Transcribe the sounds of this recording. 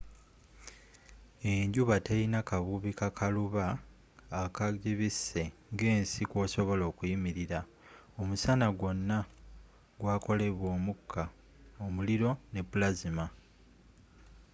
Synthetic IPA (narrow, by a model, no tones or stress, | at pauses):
eɲɟuβateinakaβuβikakʰaluβaː | kaɟiβise̞ŋɡe̞ːnsikwo̞ːso̞βo̞lo̞ːkujimiɾiɾa | omusanaɡwo̞nːa | ɡwaːko̞le̞βwo̞ːmukʰːa | omuliɾo̞ne̞pːulazima